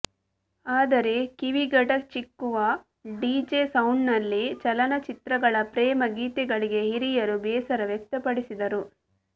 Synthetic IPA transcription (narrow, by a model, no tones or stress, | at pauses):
aːd̪ɐɾe̞kiʋiɡɐʈɐt͡ʃikːuʋɐ | ɖiːd͡ʒesɐwɳnɐlːit͡ʃɐlɐnɐt͡ʃit̪ɾɐɡɐɭɐpɾɛːmɐɡiːt̪ɛɡɐɭiɡe̞ɦiɾijɐɾubɛːsɐɾɐʋjɛk̚t̪ɐpɐɽisid̪ɐɾu